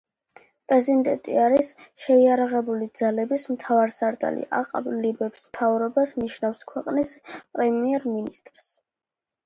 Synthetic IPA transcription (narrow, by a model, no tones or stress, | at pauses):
pʼɾɛzind̪ɛ̰nt̪ʼḭaɾisʃɛiaɾaʁɛbulid̪z̥alɛbismt̪ʰavaɾsaɾt̪ʼa̰lḭʔa̰qʼa̰blibɛbsmt̪ʰavɾɔbasniʃnafskʰwɛqʼnispʼɾɛmiɛɾminist̪ʼɾs